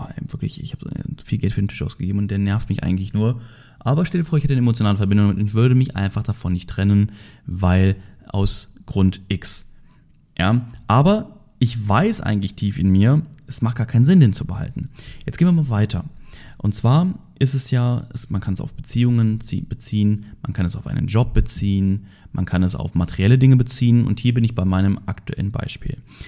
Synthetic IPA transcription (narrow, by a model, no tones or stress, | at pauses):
ɛ̰mvɪɐklɪ̰çɪ̰çhaːb̰fiːlɡɛltfyːɐdentʰɪʃʔa̰ʊsɡ̥əɡeːbm̩ʊntdeːɐnɛɐftmɪçʔa̰ɪɡŋ̩tlɪçnuːɐ | ʔaːbɐɪçʃtɛldiɐfoːɐɪçhɛtəaɪnʔemot͡sjonaːləfɛɐbɪndʊŋdamɪtʊnɪçv̥ʏɐɾəmɪçʔa̰ɪnfaχd̥afɔnːɪçtːʁ̥ɛnənvaɪlʔa̰ʊsɡ̥ʁʊntʔɪks | ja̰ːʔaːbɐ | ʔɪçvaɪsʔa̰ɪɡŋ̩tlɪçtʰiːfɪnmiːɐʔɛsmaχt̚ɡ̥aɐkʰaɪnənzɪndeːnt͡subəha̰ltn̩jɛt͡sɡ̥eːnviɐmalvaɪtʰɐʔʊntt͡sv̥aːɐʔɪstɛsjaːɛsmankʰanɛsa̰ʊfb̥ət͡siːʊŋənt͡sḭːb̥ət͡siːənma̰nkʰanɛsaʊfʔa̰ɪnə̰nd͡ʒɔp̚b̥ət͡siːən | mankʰanɛsa̰ʊfmatʰeʁiɛlədɪŋəbət͡siːənʊ̰nthiːɐbɪnɪçb̥aɪmaɪnəmʔa̰ktuʔɛ̰lənba̰ɪʃpḭːl